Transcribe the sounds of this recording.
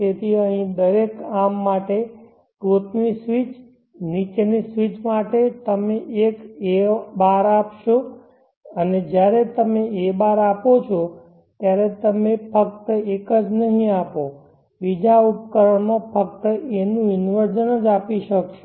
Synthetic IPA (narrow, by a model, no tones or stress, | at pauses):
t̪et̪ʰiəɦĩd̪əɾekamːaʈe | kot̪nisʋit͡ʃ | nit͡ʃenisʋit͡ʃmaʈet̪əmeʔekebaɾapʃo | əned͡ʒjaɾet̪əmeebaɾapot͡ʃʰo | t̪jaɾet̪əmefək̚t̪əekəd͡ʒnəɦĩapo | ʋid͡ʒaupkəɾəɳmõfək̚t̪əenũɪnʋəɾd͡ʒənəd͡ʒapiʃəkʃo̥